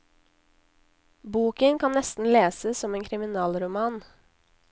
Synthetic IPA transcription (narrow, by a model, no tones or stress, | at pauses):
buːkəŋkʰɑnnɛst̪n̩leːsəsɔmeːŋkʰɾɪmɪnɑːlɾʊmɑːn